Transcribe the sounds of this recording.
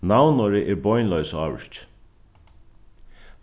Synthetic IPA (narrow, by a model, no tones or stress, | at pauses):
nawnɔɾɪʔɛɾbɔjnlœɥsɑːʋɪ̰ʃt͡ʃ